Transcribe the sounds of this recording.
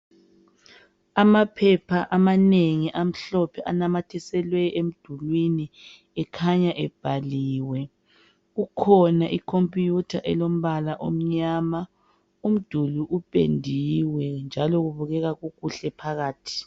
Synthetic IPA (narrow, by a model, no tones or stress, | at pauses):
amapʰɛpʰaʔamaneŋiʔam̩ɬɔpʰɛʔanamatʰɛsɛlwɛem̩d̥ʱulwini | ɛkʰaɲaʔɛb̥ʱaliːwɛ | ɣukʰɔnaʔikʰompʼjutʰa̰ʔɛlom̩βalaʔo̰m̩ɲaːma | um̩d̥ʱuluʔupʼḛndʱiwɛnd͡ʒʱalɔɣuβuɣɛɣaɣuɣuɬɛpʰaɣaːtʰi̥